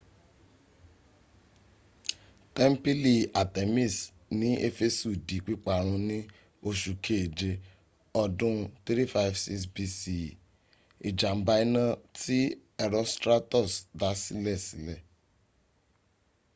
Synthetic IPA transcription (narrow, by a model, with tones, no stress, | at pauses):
tɛ˦m̩˦pi˦li˧a˨te˨mi˦˨s | nĩ˨˦e˦fe˦su˦˨di˨k͡pi˦k͡pa˦˨ɾ̃ũ˧nĩ˦ | o˧ʃu˨kʰe˦˨d͡ʒe˧ | ɔ˧dũ˦˧t̪ɾi˦fa˦vsi˦ksbi˧si˦˨ | i˨d͡ʒa˨m̩˦ba˧˦i˦nã˦ti˦ | ɛ˧ɾɔ˦stɾa˦tɔ˦˨sda˨˦si˦lɛ˦˨si˨˦lɛ˦˨